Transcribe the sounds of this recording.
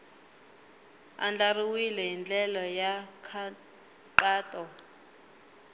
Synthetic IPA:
a̰nd͡ɮariwilɛjind͡ɮɛlɔjakʰ | ǃaːtʼɔ

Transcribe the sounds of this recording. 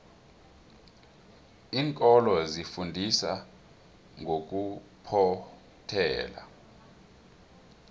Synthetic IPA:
iːŋkʼɔlɔzifundʱisa | ŋʱok̬ʼupʰɔ | tʰɛ̰ːla̰

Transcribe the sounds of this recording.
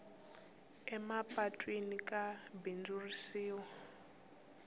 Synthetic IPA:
ɛmapʼatʼwenikʼabind͡zurisiːwa

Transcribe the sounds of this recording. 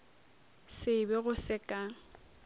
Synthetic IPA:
sɪbɪɣʊsɪkʼa

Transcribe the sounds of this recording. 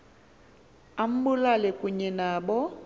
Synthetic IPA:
am̩bʊlalɪkʼʊɲɛnaːbɔ

